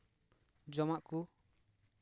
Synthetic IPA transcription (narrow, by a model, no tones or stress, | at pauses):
d͡ʒɔmaʔku